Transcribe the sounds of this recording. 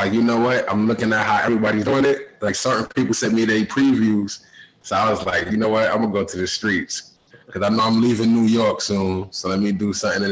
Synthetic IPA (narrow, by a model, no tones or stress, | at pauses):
laɪkjɨnoʊwʌt̚ã̰ɪ̃mlʊkɪ̃ŋɨt̚ɦaʊʔɛvɹibɑɾiθoɪ̃nɪt̚laɪksɜ˞ʔn̩pʰipl̩ˠsɛt̚miɾepʰɹ̥ivjuz̥ | soaɪwʌzlaɪkjɨnoʊwʌt̚ã̰ɪɡʌ̃nəɡoʊtʰɨðɨstɹ̥its | kʰʌzãɪ̃noʊãɪ̃mlivɪ̃nːujɔɹksũnsoʊlɛt̚midɨsʌ̃mθɪ̃ŋɨ̃